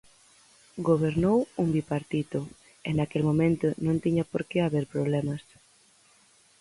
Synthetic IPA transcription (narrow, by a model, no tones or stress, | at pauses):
ɡoβ̞eɾnowumbipaɾt̪it̪ʊ | enakelmõmẽnt̪ʊnõnt̪iɲapoɾkeaβeɾpɾoβlɛmɐs